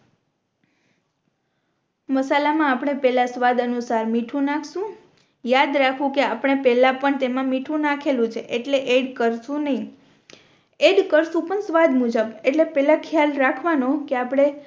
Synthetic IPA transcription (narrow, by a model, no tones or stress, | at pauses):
məsalamãːpɽ̃epɛlasʋad̪ənusaɾmiʈʰũnãkʰʃũ | jad̪ɾakʰʋũkeapɽ̃epɛlãpəɳt̪emãmiʈʰũnakʰelũt͡ʃʰeʔeʈleʔeɖkəɾsũnəɦĩ | eɖkəɾsũpəɳsʋad̪mud͡ʒəbeʈlepɛlãkʰjalɾakʰʋanokeapɽ̃e